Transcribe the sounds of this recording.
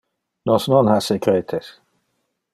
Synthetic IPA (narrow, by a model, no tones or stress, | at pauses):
nɔsnɔnhasekɾeːt̪ʰes